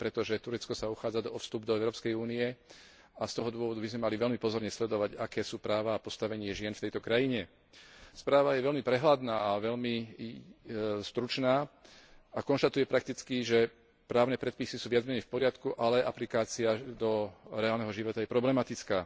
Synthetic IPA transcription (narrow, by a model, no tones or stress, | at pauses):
pɾɛt̪ɔʒɛt̪uɾɛt͡skɔsauxaːd͡zad̪ɔɔfst̪ubd̪ɔɛʊɾɔːpskɛjuːniɛ | ast̪ɔɦɔd̪ʊɔʋɔd̪ubizmɛmaliʋɛʎmipɔzɔɾɲɛslɛd̪ɔʋaɟakɛːsuːpɾaːʋaːpɔst̪aʋɛɲɪɛʒɪɛnft̪ɛjt̪ɔkɾajiɲɛ | spɾaːʋajɛʋɛʎmipɾɛɦlad̪naːaʋɛʎmi | st̪ɾut͡ʃnaː | akɔnʃt̪at̪ujɛpɾak̚t̪it͡skiʒɛ | pɾaːʊnɛːpɾɛt̪̚pisisuːʋɪad͡zmɛɲɛjfpɔɾɪat̪kuʔalɛʔa̰plikaːt͡siad̪ɔɾɛaːlnɛɦɔʒiʋɔt̪ajɛpɾɔblɛmat̪it͡skaː